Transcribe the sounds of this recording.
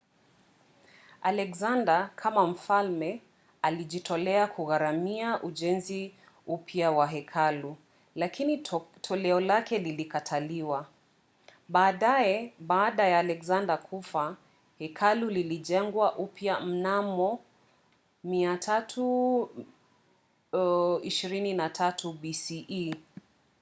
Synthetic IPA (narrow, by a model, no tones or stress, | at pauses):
alɛkzandakʰamam̩falmɛ | aliʄitʰɔlɛakʰuɣaɾamiaʔuʄɛnzi | upʰjawaɦɛkʰalu | lakʰinitʰɔlɛɔlakɛlilikatʰaliwa | ɓaːɗaɛɓaːɗajaːlɛkzandakʰufa | hɛkʰaluliliʄɛŋɡwaʔupjam̩namɔ | miatʰatʰu | iʃiɾininatʰatʰubisiʔi